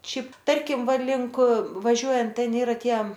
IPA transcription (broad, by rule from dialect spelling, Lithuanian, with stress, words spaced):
ˈʃʲɛɪp ˈtɐrʲkʲɪm ˈʋɐ ˈlʲɪŋk ʋɐˈʒʲuɔjɛnt ˈtʲɛn ˈiːrɐ ˈtʲiɛ